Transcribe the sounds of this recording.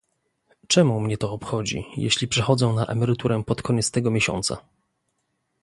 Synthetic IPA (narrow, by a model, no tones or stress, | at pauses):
t͡ʂɛmumɲɛt̪ɔːpxɔd͡ʑḭjḛɕlʲipʂɛxɔd̪zɛw̃naʔa̰mɛɾɘt̪uɾɛpɔt̪kʰɔɲɛt̪st̪ɛɡɔmʲeɕɔ̰nt̪sa̰